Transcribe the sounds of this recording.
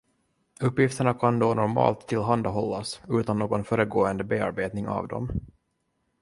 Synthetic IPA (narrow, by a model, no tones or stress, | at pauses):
ɵpːjɪft̪əɳakʰand̪oːnɔɾmɑ̰ːlt̪ʰːɪlɦand̪aɦɔlːasʉ̟ːt̪anːoːɡɔnfœːɾəɡoːənd̪əbeːa̰ɾbeːt̪nɪŋa̰vd̪ɔ̰m